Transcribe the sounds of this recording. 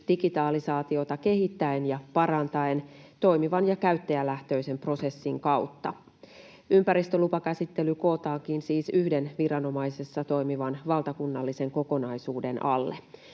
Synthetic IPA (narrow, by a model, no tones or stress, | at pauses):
d̥iɡit̪ɑːlisɑːt̪io̞t̪ɑke̞ɦit̪ːæenjɑpɑɾɑnt̪ɑent̪o̞jmiʋɑnjɑkæyt̪ːeælæht̪ø̞ijse̞mpro̞se̞sːiŋkɑut̪ːɑ | ympæɾist̪ø̞lupɑkæsit̪ːe̞lyko̞ːt̪ɑːkinsiːsyhde̞nʋirɑno̞mɑjse̞sːɑt̪o̞jmiʋɑnʋɑlt̪ɑkunːɑlːise̞ŋko̞ko̞nɑjsuːde̞nʔɑ̰lːe